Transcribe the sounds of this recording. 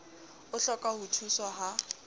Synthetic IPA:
ʊɬɔkʼahutʰusɔaɦa

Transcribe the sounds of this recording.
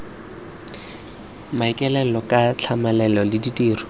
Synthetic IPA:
maikʼɛlɛlɔkʼat͡ɬʰamalɛlɔlɪditʼiːrɔ

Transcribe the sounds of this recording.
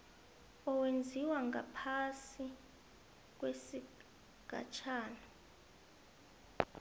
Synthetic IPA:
ɔwend͡zʱiwaŋɡapʰasi | k̬wesi | ɡ̥ʱa̰t͡ʃʰaːna

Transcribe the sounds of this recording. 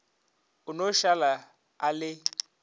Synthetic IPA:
ʊnoʃala | alɪ

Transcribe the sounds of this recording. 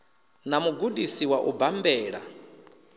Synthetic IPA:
namuɡuɗisiwaʔubambɛːɺa̰

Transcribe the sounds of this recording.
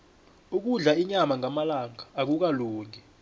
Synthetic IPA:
uk̬uɮaiɲamaŋʱamalaŋaːk̬uk̬aloːŋɛ

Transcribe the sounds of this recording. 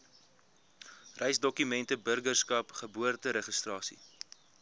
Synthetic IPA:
rɛjsdɔkymɛntəbərɡərskɐpχəbuərtəɾəχəstrɑːsḭ

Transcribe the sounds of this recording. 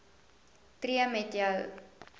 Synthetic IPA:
triəmɛtjəw

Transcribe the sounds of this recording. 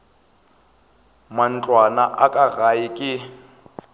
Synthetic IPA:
man̩t͡ɬʼwanaʔakʼaɣajikʼɪ

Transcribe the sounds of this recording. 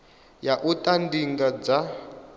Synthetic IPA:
jaʔutʼandiŋɡad͡za

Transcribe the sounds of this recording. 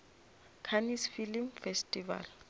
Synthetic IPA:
kʰanisfilimfɛstʼiva̰l

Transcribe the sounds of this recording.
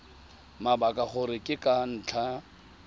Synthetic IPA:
mabakʼaχʊɾɪkʼɪkʼan̩ːt͡ɬʰa

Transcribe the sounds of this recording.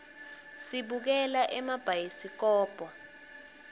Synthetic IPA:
siɓuk̬ɛlaʔɛmab̥ʱajisik̬ɔːb̥ʱɔ

